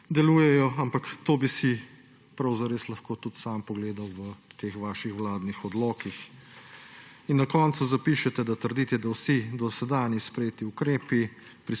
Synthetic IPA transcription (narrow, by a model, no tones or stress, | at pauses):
d̪ɛluːjɛjɔampakt̪oːbisi | pɾɐwzaɾeːslɐxkoːt̪ut̪sampɔɡleːd̪awʋət̪eːxʋaːʃixwlaːd̪nixɔd̪lɔːkix | inːakɔːnt̪suzapiːʃɛt̪ɛd̪at̪əɾd̪iːt̪ɛd̪awsid̪ɔsɛd̪aːnjispɾɛjeːt̪iukɾeːpi | pɾi